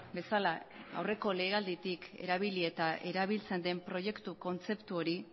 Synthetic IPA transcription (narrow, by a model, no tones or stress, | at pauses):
be̞salaa̰wre̞ko̞le̞ːɣald̪it̪ike̞̰ɾaβ̞ilie̞t̪aʔe̞ɾaβ̞ilt͡se̞nd̪e̞mpɾo̞je̞kt̪uko̞nt͡se̞pt̪uo̞ɾi